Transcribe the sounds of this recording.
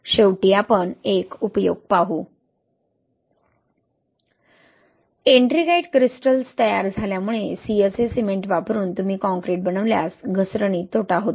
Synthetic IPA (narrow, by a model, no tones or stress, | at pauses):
ɕeʋʈijapəɳekupəjoɡ̚paɦu | eɳʈɾiɡejʈkɾisʈəlst̪əja̰ɾd͡zʱaljamuɭesiesesimeɳʈʋapɾuːnt̪um̤iːkɔ̃ŋkɾeʈ̚bənəʋlja̰sɡʱəsɾəɳ̃iːt̪oʈaɦot̪